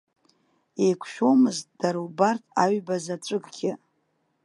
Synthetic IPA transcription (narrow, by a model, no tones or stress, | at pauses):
ejkʷʰʃᶣo̞mɨzt̚ʼd̥aɾwbartʰa̰ɥbazat͡sʷʼɨɡʼɡʲɪ